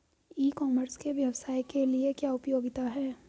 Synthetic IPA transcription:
iːkɔːməɾskeʋjɐʋsaːikeliekjaːʊpjoːɡɪt̪aɦɛː

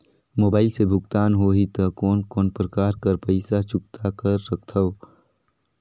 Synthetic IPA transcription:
moːbaːɪlsebʱʊɡt̪aːnɦoːɦit̪əkɔːnkoːnpɾəkaːɾkəɾpəɪsat͡ʃuk̚t̪ʰakəɾːək̚ʰt̪ʰəʊ

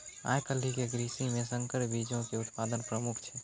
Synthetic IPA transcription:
a̰jkəlːikeɡɾisimesəŋkəɾbid͡ʒõkeut̪pad̪ənpɾəmukʰt͡ʃʰɛ

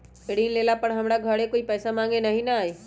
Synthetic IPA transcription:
eɽiːnleːlapɐɽɦɐmɽaɡʱɐɽekoːipɛːsamãːŋɡenɐɦĩnɐaːi

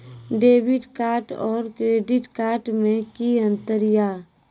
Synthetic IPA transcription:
ɖeːʋɪɖkaːɾʈɔːɾkɾeːɖɪʈkaːɾʈmẽkiə̃nt̪əɾjaː

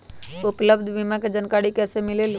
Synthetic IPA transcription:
upləbd̪ʱbimaked͡ʒənkaɽikɛsemilel

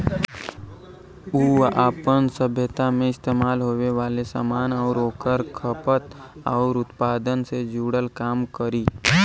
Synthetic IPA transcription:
uːaːpənsəbʱjət̪amẽɪst̪eːmaːlɦoːʋeʋaːlesa̰ːmaːnɔːɾoːkəɾkʰəpət̪ɔːɾʊt̪paːd̪ənsed͡ʒuːɽəlkaːmkəɾiː

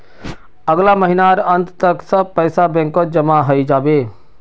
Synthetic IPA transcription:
əɡlaməɦinaɾə̃nt̪t̪əksəb̚pəːsabɛ̃ːŋkod͡ʒəmaɦəid͡ʒaːbeː

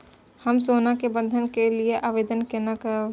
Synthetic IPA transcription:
həmsoːnakebə̃nd̪ʱənkelieʔaːʋeːd̪ənkenakə

